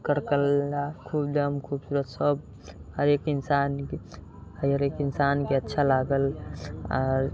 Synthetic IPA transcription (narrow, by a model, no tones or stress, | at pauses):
kəɾkəlːakʰuːbd̪əmkʰuːbsuːɾət̪səb̚ | həɾeːkɪnsaːnk | həəɾeːkɪnsaːnkeətːʃʰalaːɡəlɔːɾ